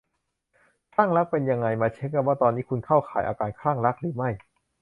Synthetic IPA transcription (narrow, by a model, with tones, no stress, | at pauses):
kʰaː˥˩ŋɾa˦˥k̚pe˧nja˧ŋːa˧jmaː˧t͡ɕʰe˦˥nka˧˩p̚waː˥˩t̪ɔː˧nːiː˦˥˩kʰu˧nkʰa˥˩wxʰaː˩˦jʔa̰ː˧kaː˧nkʰɾaː˥˩ŋɾa˦˥k̚ɾɯː˩˦ma˥˩j